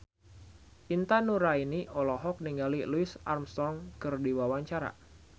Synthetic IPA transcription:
ʔint̪anuɾainiʔɔlɔɦɔk̚niŋɡaliluɪsa̰rmst̪ɔŋkɨrdiwawaɲt͡ʃaɾa̰

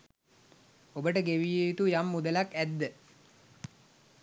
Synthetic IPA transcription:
obəʈəɡeʋijeit̪ujamːud̪əlakæd̪ːə

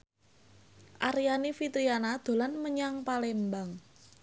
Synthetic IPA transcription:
ʔaɾijanifit̪ɾianad̪̥o̤lanməɲaŋpalembaŋ

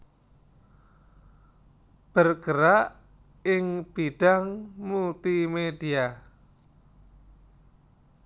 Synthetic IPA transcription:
b̥ərɡ̥əɾaʔ | ɪŋb̥iɖ̥aŋmult̪imedia

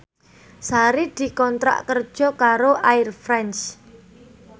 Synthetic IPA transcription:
saɾid̪̥i̤kɔnt̪ɾa̰ʔkərd̥ʒ̥ɔ̤kaɾoʔaɪrfɾɛnt͡ʃ

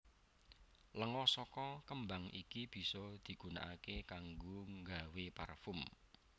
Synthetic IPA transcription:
ləŋɔsɔkɔkəmbaŋʔḭkib̥i̤sɔd̪̥i̤ɡ̥ṳna̰ʔakekaŋɡoŋɡawepa̰rfʊm

